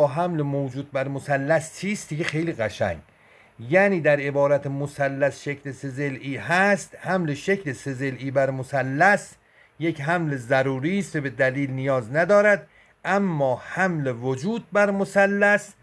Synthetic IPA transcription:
ɦæmlemoːd͡ʒuːd̪̚bæɾmosælːæst͡ʃʰiːst̪d̪iɡexejliːɣæʃæ̰ŋɡ | jæniːd̪æɾe̞bɒːɾæt̪ʰemosælːæsʃecʰlese̞zelʔiːɦæst̪hæmleʃecleseze̞lʔiːbæɾmosælːæs | je̞kɦæmlezæɾuːɾiːst̪vebe̞d̪æliːlnijɒːznæd̪ɒːɾæd̪ | æmːɒːhæmlevod͡ʒuːd̪̚bæɾmosælːæs

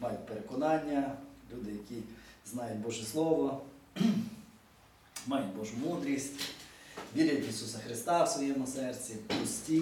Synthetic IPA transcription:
mɑjʊt̚ʲpeɾekɔnɑnʲːɐlʲud̪ɪjɐkʲiznɑjʊt̚ʲbɔʒɛslˠɔʋɔ | mɑjʊt̚ʲbɔʒʊmud̪ɾʲisʲtʲ | ʋʲiɾʲjɐtʲisusɐxɾɪst̪ɑwsʋɔjɛmɔsɛrt͡sʲipɔsʲtʲi

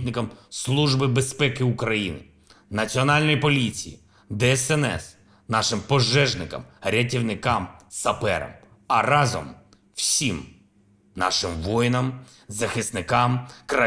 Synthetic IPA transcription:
tʲnɪkɐmslˠuʒbɪbespɛkɪʊkɾɐjinɪ̰ | nɐt͡sʲiɔnɑlʲnɔjipɔlʲit͡sʲijḭ | d̪ɛɛsɛnɛ̰s | nɑʃɪmpɔʒːɛʒnɪkɐ̰mɾʲɐtʲiwnɪkɑmsɐpɛ̰ɾɐ̰m | ɐrɑzɔ̰m | wsʲim | nɑ̰ʃɪmʋɔjnɐm | zɐxɪst̪nɪkɑmkɾɐ

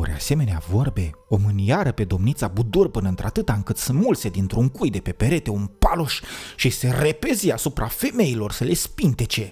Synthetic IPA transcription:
oɾea̰se̞me̞neavo̞rbe̞o̞mɨnjaɾəpe̞d̪o̞mnit̪sabud̪urpɨnəɨnt̪ɾat̪ɨt̪aɨŋkɨt̪sɨnmult̪se̞d̪int̪ɾuŋkujd̪e̞pe̞pe̞ɾe̞t̪e̞unpalo̞ʃʃise̞re̞peziasupɾʔafe̞me̞ilo̞rsəle̞spint̪e̞t͡ʃe̞

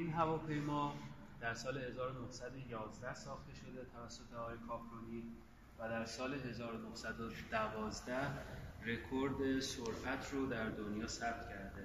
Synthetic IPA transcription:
ʔiːnɦævɒːpʰe̞jmɒː | d̪̥æɾsɒːlehe̞zɒːɾonohsæd̪o̞jɒːzd̪æhsɒːxt̪e̞ʃo̞d̪e̞t̪ʰævæsːo̞t̪ʰeɒːɒːjekʰɒːfʰɾoniː | væd̪æɾsɒːleɦe̞zɒːɾonohsæd̪od̪̥ævɒːzd̪æhre̞kʰoɾd̪e̞soɾʔæt̪ʰrod̪æɾd̪onjɒːsæb̚t̪cʰæɾd̪e

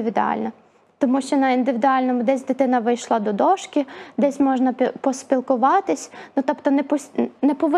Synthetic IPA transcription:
ɪʋʲɪd̪ʊɑ̰lʲnɐ | t̪ɔmuʃt͡ʃɔnɐind̪ɪʋʲɪd̪ʊɑlʲnɔmʊd̪ɛsʲd̪ɪt̪ɪnɐʋɪjʃlˠɑd̪ɔd̪ɔʃkʲid̪ɛsʲmɔʒnɐpʲpɔspʲilˠkʊʋɑt̪ɪsʲnut̪ɔpt̪ɔnɛpɔsʲnɛpɔʋɪ

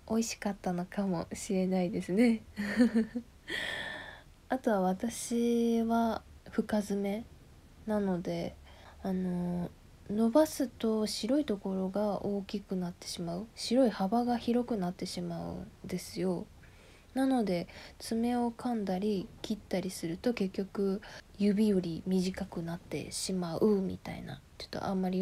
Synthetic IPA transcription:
o̞iɕi̥kat̪ːano̞kamo̞ɕiɾe̞naid̪e̞sɨne̞ | at̪o̞βaβat̪aɕiβaɸɯ̟kazɨme̞ | nano̞d̪e̞ | ano̞ | no̞basɨt̪o̞ɕiɾo̞it̪o̞ko̞ɾo̞ɡao̞ːkʲikɯ̟nat̪ːe̞̥ɕimaɯ̟ɕiɾo̞ihabaɡaçiɾo̞kɯ̟nat̪ːe̞ɕimaɯ̟̰d̪e̞sɨjo̞ | nano̞d̪e̞t͡sɨme̞o̞kãnd̪aɾʲikʲʰit̪ːaɾʲisɨɾɯ̟t̪o̞ke̞kʲːo̞kɯ̟jɯ̟bʲijo̞ɾʲimʲiʑikakɯ̟nat̪ːe̞̰ɕimaʔɯ̟mʲḭt̪a̰ḭna̰t̪eɯ̟̥t̪ːo̰ʔa̰mːaɾʲi

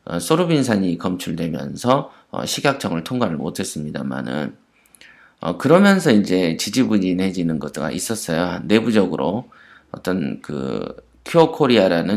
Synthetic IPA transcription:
ʌ̰s͈ʰoɾubins̬ʰaɲikʌmt͡ɕʰuɭdwe̞mjʌ̰nsʰʌ | ʌ̰ɕʰiɡak̚t͡ɕ͈ʌŋɯɭtʰoŋɡwaɾɯɭmo̰tʰe̞s͈ɯmɲida̰ma̰nɯ̰n | ʌ̰kɯɾʌmjʌnsʰʌind͡ʑe̞t͡ɕid͡ʑibuɲine̞d͡ʑinɯnɡʌt̚ɡa̰ʔis͈ʌs͈ʌjoane̞bud͡ʑʌɡɯɾo | ʌt͈ʌnkɯ̰ | kʰookʰoɾiaɾanɯ

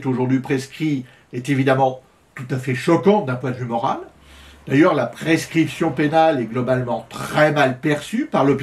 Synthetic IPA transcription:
t̪oʒuʁd̪ɥipχeskχi | ɛt̪evid̪amɑ̃ | t̪ut̪afɛʃɔkɑ̃t̪̚d̪ɛ̃pwɛ̃d̪vymɔʁal | d̪̥ajœʁlapχeskχipsjɔ̃penalɛɡlɔbalmɑ̃t̪χχɛmalpɛʁsypaʁlɔp

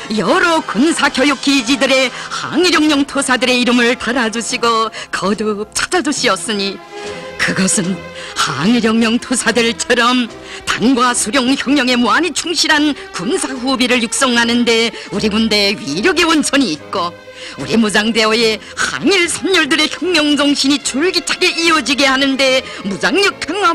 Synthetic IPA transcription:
jʌɾʌkunsʰakjʌjuk͈ʰid͡ʑidɯɾe̞ha̰ŋiɾjʌŋmjʌŋtʰosʰadɯɾe̞iɾɯmɯɭtaɾad͡ʑuɕʰiɡokʌdɯp̚t͡ɕʰḁd͡ʑad͡ʑuɕʰiʌs͈ɯɲi | kɯɡʌsʰɯnha̰ŋiɾjʌŋmjʌŋtʰosʰadɯɭt͡ɕʰʌɾʌm | taŋɡwasʰuɾjoŋçjʌŋmjʌŋe̞moaɲit͡ɕʰuŋɕʰiɾɦankunsʰaɸubiɾɯɭjuk̚s͈ʌŋɦanɯnde̞uɾibunde̞ɥiɾjʌɡe̞wʌnt͡ɕʰʌɲiːt̚k͈o | uɾimud͡ʑaŋde̞oje̞ | ha̰ŋiɭsʰʌnɲʌɭdɯɾe̞çjʌŋmjʌŋd͡ʑʌŋɕʰiɲit͡ɕuɭɡit͡ɕʰaɡe̞ʔiʌd͡ʑiɡe̞hanɯnde̞mud͡ʑaŋɲʌkʰanɡa

